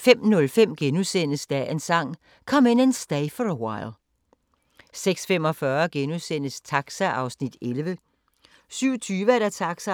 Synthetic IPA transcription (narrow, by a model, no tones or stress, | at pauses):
fem̰nɔ̽lfem̰ɡ̥enusen̰əsd̥æensɑ̈ŋ̰ | kʰɒ̽me̝nensd̥ɛɪfɒəwɑ̈ɪlˠ | seɡ̥sfem̰ɒ̽fɶːɐɡ̥enusen̰əst͡sʰɑ̈ɡ̥sæʔɑ̈ʊsnid̥elʋə | syʊ̰t͡sʰyːʋəæɐɾ̥æt͡sʰɑ̈ɡ̥sæ